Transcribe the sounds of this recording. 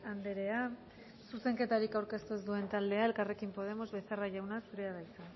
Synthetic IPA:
and̪e̞ɾe̞a | suse̞ŋke̞t̪aɾikawɾke̞st̪uezd̪ue̞nt̪ald̪e̞ae̞lkare̞kimpo̞ð̞e̞mo̞zβe̞θeraʝawnasuɾeaðajt͡sa

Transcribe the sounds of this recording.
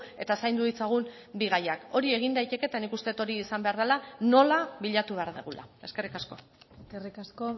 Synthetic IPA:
e̞t̪asajnd̪uit͡saɣ̞um | biɣajako̞ɾie̞ɣ̞ind̪ajt̪e̞ke̞t̪anikust̪e̞t̪o̞ɾiːsambe̞aɾðelano̞laβiʎat̪uβe̞aɾðeɣulʔa̰e̞ske̞rikasko̞ | eskerikasko

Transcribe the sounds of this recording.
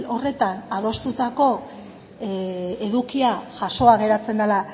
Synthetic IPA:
o̞re̞t̪anað̞o̞st̪ut̪ako̞ | e̞ðukiaʝaso̞aɣe̞ɾat͡se̞nd̪ala

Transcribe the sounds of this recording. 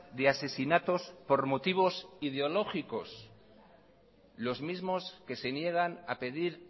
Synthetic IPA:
ðease̞sinat̪o̞spo̞ɾmo̞t̪iβ̞o̞sið̞eo̞lo̞xiko̞s | lo̞zmizmo̞ske̞se̞nje̞ɣ̞ana̰pe̞ðiɾ

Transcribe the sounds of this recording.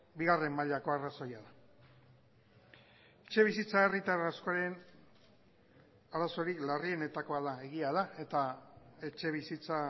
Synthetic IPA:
biɣare̞mːaʎako̞araso̞jaða | et͡ʃe̞β̞isit͡sae̞rit̪aɾasko̞aɾe̞n | aɾaso̞ɾiklarie̞ne̞t̪ako̞aðae̞ɣiað̞ae̞t̪ae̞t͡ʃe̞β̞isit͡sa

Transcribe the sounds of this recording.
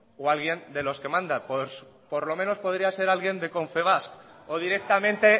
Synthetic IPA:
oalɣje̞nd̪e̞lo̞ske̞mãnd̪apos | poɾlo̞mẽ̞no̞spo̞ð̞ɾiase̞ɾalɣje̞nd̪e̞ko̞ɱfe̞β̞askoð̞iɾe̞k̚t̪amẽ̞nt̪e̞

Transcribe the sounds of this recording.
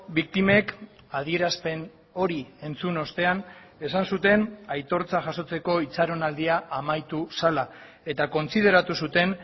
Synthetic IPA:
bik̚t̪ime̞k | að̞ie̞ɾaspe̞n | o̞ɾie̞nt͡suno̞st̪e̞an | e̞sansut̪e̞najt̪o̞ɾt͡saʝaso̞t͡se̞ko̞it͡saɾo̞nald̪iaʔːmajt̪usala | e̞t̪ako̞nsiðe̞ɾat̪usut̪e̞n

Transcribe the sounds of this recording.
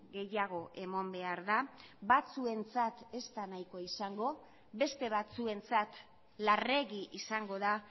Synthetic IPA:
ɣe̞jaɣ̞o̞ʔe̞mo̞mbe̞aɾðaβat͡sue̞nt͡sat̪e̞st̪anajko̞isaŋɡo̞ | βe̞st̪e̞βat͡sue̞nt͡sat̪ | lare̞ɣiʔisaŋɡo̞ða

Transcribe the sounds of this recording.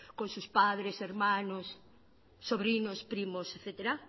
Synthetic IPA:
kõnsuspaðɾeseɾmãnosː | oβɾinospɾimoseθet̪eɾa

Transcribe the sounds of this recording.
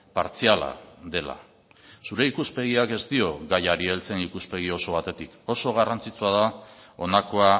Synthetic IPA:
paɾt͡siala̰ðe̞la̰ | suɾe̞ikuspe̞ɣ̞iake̞zt̪io̞ɣajaɾie̞lt͡senikuspe̞ɣ̞io̞so̞β̞at̪e̞t̪iko̞so̞ɣ̞arant͡sit͡suað̞ao̞nako̞a

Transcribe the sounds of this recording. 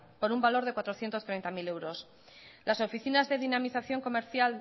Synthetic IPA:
po̞ɾumbalo̞ɾð̞e̞kwat̪ɾo̞θjent̪o̞st̪ɾejnt̪amile̞wɾo̞s | laso̞fiθinazðe̞ðinamiθaθjo̞ŋko̞me̞ɾθjal

